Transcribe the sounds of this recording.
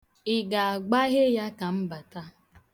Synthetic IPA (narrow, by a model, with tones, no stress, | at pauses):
ɪ˨ɡa˨a˨ɡ͡ba˦ɣe˦ja˦ka˨m̩˦ba˨ta˦